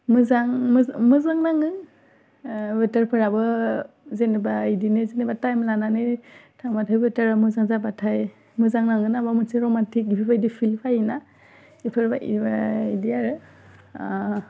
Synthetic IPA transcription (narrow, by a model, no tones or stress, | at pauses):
mɯzaŋmɯzaŋnaŋɯ | bɯtaɾpʰɯɾabɯ | zenibaidinezenibatajmlananetʰaŋbatʰajbɯtaɾamɯzaŋzabatʰaj | mɯzaŋnaŋɯnabamɯsiɾɔmatik̚ipʰibʰajdipʰilpʰajina | ipʰɯɾbaʔḭbaidiaɾɯ